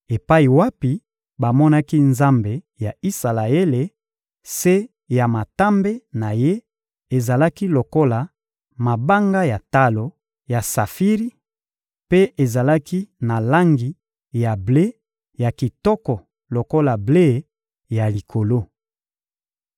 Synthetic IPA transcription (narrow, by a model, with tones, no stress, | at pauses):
e˨pa˦i˨wa˦pi˨ | ba˨mɔ˦na˦ki˦nza˦mbe˨ | ja˨i˦sa˨la˨e˦le˨ | se˦ | ja˨ma˨ta˦mbe˦na˨je˦ | e˨za˨la˦ki˦lo˨ko˦la˨ | ma˨ba˦ŋɡa˦ja˨ta˦lo˨ | ja˨sa˨fi˦ʁi˦ | pe˦e˨za˨la˦ki˦na˨la˦ŋɡi˨ | ja˨ble˦ | ja˨ki˨tɔ˦kɔ˨ | lo˨ko˦la˨ble˦ | ja˨li˨kʰo˨lo˦